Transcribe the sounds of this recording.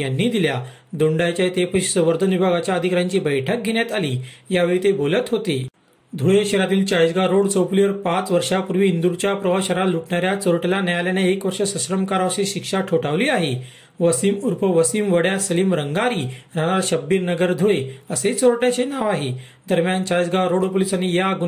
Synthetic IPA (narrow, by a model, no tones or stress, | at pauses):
janːiːd̪ilja | d̪oɳɖajt͡ɕjat̪epəɕi̥səʋəɾd̪ʱənibʱaɡat͡ɕjaəd̪ʱikɾjaɲt͡ɕiːbəjʈʰək̚ɡʱeɳjat̪aliːjaʋeɭiːt̪ebolət̪ɦot̪e | d̪ʱoɭeɕeɾat̪iːlt͡saɭid͡zɡaɾoɽt͡soplijəɾpat͡sʋəɾʂapuɾʋiːnd̪uɾt͡ɕjapɾəʋaɕəɾaluʈɳaɾjat͡soɾʈelanjaljaneekʋəɾʂəsəɕɾəmkaɾaʋɕeɕikʂaʈʰoʈaʋliːaɦe | ʋəsiːmuɾpəʋəsiːmʋəɽjasəliːmɾəŋɡaɾiːɾaɽ̃aɾɕəbːiːɾnəɡəɾd̪ʱuɭeəset͡soɾʈjat͡ɕenaʋaɦe | d̪əɾmjant͡saɭid͡zɡaɾoɽopolisanijaɡu